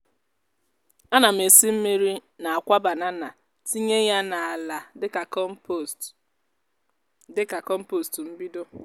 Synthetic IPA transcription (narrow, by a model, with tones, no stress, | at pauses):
a˦na˨m̩e˨si˦m̩˦mi˦ɾi˦na˨a˨kʷa˦ba˨na˦na˨ | ti˦ɲe˦ja˦na˨a˨la˨dɪ˦ka˨˦ | dɪ˦ka˨kɔ˦m̩˦po˦stm̩˦bi˦do˦